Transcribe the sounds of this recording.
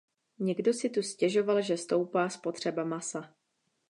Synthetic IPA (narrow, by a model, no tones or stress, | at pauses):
ɲɛɡdo̞sɪt̪uscɛʒo̞valʒɛst̪o̞wpaːspo̞t̪r̝̥ɛbamasa